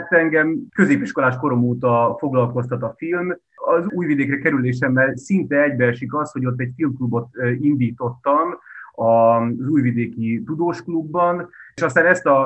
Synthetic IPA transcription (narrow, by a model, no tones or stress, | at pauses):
t̪ːɛŋɡɛmkø̞zeːpiʃko̞laːʃko̞ɾo̞moːt̪ɒfo̞ɡlɒlko̞st̪ɒt̪ɒfilm | ɒzuːjvid̪eːkrɛkɛɾyleːʃɛmːɛlsint̪ɛɛɟbɛʃikɒsho̞ɟo̞t̪̬ːɛcfilmklubo̞t̪ind̪iːt̪o̞t̪ːɒmɒzuːjvid̪eːkit̪ud̪oːʃklubːɒnʃɒst̪aːnɛst̪ɒ